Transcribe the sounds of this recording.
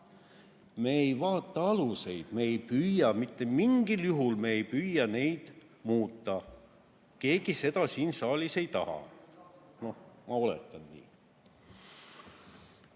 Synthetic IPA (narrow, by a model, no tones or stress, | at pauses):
me̞ejvɑːt̪ːˑɑɑluse̞jd̪̥me̞ejpyjɑmit̪ːe̞miŋɡ̥iljuɦulme̞ejpyjːɑne̞jd̪̥ | muːt̪ːˑɑ | ke̞ːɡ̥ise̞d̪̥ɑsiːnsɑːlʲise̞jt̪ɑhɑ̰ | no̞hmɑo̞le̞̰t̪ːˑɑnːḭː